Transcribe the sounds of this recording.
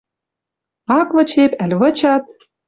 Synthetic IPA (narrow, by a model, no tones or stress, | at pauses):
ɑkvɤ̆t͡ɕepælʲβɤ̆t͡ɕɑt̪